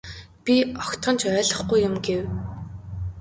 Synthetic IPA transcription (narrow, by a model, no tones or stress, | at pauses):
pʲiɔkt̪χɞ̆nt͡ɕʰœːɮɞ̆χɡujːʊmɡew